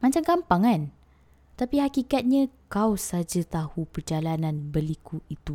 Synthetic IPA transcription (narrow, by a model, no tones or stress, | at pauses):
mãt͡ʃamkampaŋan | t̪apiɦakikat̪̚ɲãkawsad͡ʒat̪ahupərd͡ʒalanãnbəlikuit̪u